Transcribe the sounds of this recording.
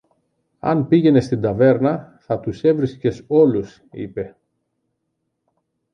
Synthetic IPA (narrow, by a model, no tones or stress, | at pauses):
ɐ̰npiʝe̞ne̞st̪ind̪ɐve̞ɾnɐθɐt̪use̞vɾisce̞so̞lus | ḭpe̞